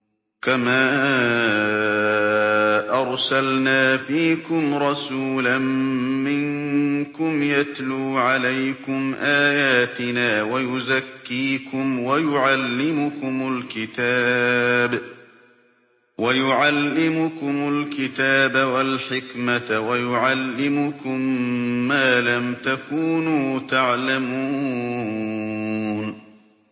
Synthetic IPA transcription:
kamaː | ʔɑɾˤsalnaːfiːkʊmɾˤɑsuːlamːɪŋkʊmjat̪luːʕalajkʊmʔaːjaːt̪ɪnaːwajʊzakːiːkʊmwajʊʕalːɪmʊkʊmʊlkɪt̪aːb | wajʊʕalːɪmʊkʊmʊlkɪt̪aːbawalħɪkmawajʊʕalːɪmʊkʊmːaːlamt̪akuːnuːt̪aʕlamuː | n

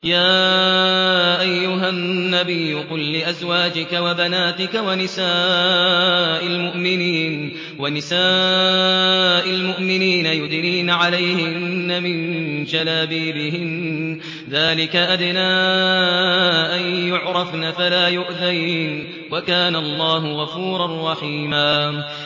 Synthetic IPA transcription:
jaː | ʔajːʊɦanːabɪjːʊqʊlːɪʔazwaːd͡ʒɪkawabanaːt̪ɪkawanɪsaː | ʔalmʊʔmɪniːn | wanɪsaː | ʔalmʊʔmɪniːnajʊd̪ɾiːnʕalajhɪnːamɪnʃalaːbiːbɪɦɪn | ðaːlɪkaʔad̪naː | ʔanjʊʕɾˤɑfnafalaːjʊʔðajhɪn | wakaːnaɑlˤːɑːɦʊɣɑfuːɾˤɑrˤːɑħiːmaː

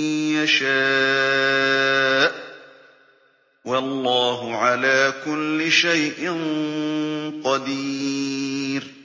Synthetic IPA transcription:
jaʃaː | ʔ | wɑlˤːɑːɦʊʕalaːkʊlːɪʃajʔɪn | qɑd̪iː | ɾ

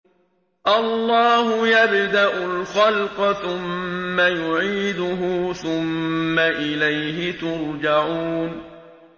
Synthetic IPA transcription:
ʔɑlːɑːhʊjabd̪aʔʊlxɑlqɑθʊmːajʊʕiːd̪ʊɦʊθʊmːaʔɪlajɦɪt̪ʊɾˤd͡ʒaʕun

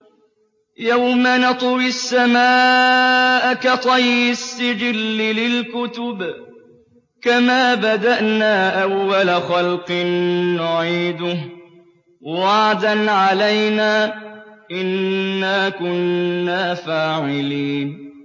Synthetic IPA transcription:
jawmanɑt̪ˤwɪsːamaː | ʔakat̪ˤɑjːɪsːɪd͡ʒɪlːɪlɪlkʊt̪ʊb | kamaːbad̪aʔnaːʔawːalaxalqɨnːʊʕiːd̪ʊh | wɑʕd̪anʕalajnaːʔɪnːaːkʊnːaːfaːʕɪliːn

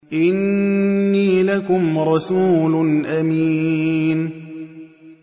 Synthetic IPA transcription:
ʔɪnː | iːlakʊmɾˤɑsuːlnʔamiːn

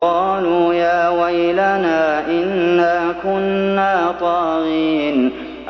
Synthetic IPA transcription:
ɑːluːjaːwajlanaːʔɪnːaːkʊnːaːt̪ˤɑːɣiːn | ʔ

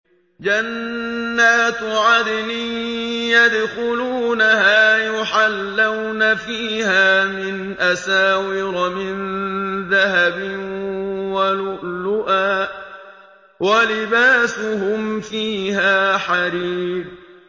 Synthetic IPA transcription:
d͡ʒanː | aːt̪ʕad̪niːjad̪xʊluːnaɦaːjʊħalːawnafiːhaːmɪn | ʔasaːwɪɾmɪnðaɦabɪ | walʊʔlʊʔaː | walɪbaːsʊɦʊmfiːhaːħaɾiːb̚

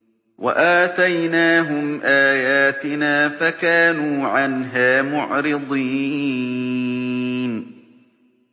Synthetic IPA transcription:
wʔa̰ʔaːt̪ajnaːɦʊmʔaːjaːt̪ɪnaːfakaːnuːʕanɦaːmʊʕɾɪd̪ˤiː | n

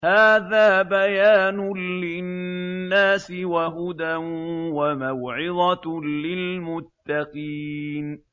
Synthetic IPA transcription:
haːðaːbajaːnʊːɪnnːaːsɪwaɦʊd̪anwamawʕɪðˤɑlɪlmʊt̪ːɑqiːn

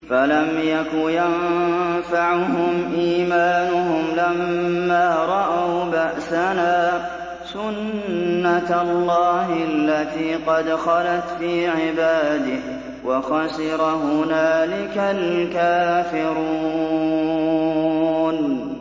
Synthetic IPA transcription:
falamjakʊjamfaʕɦʊmʔiːmaːnʊhʊmlamːaːɾˤɑʔawbaʔsanaː | sʊnːalːɑːhalːat̪iːqɑd̪xɑlat̪fiːʕɪbaːd̪ɪh | wɑxɑsɪɾɑhʊnaːlɪkalkaːfɪɾuu | n

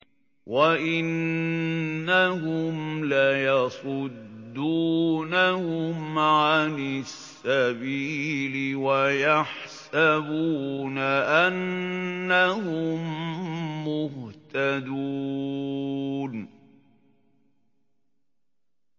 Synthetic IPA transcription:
waʔɪnː | ahʊmlajɑsˤʊd̪ːuːnahʊmʕanɪsːabiːlɪwajaħsabuːnaʔanː | ahʊmː | ʊht̪ad̪uː | n

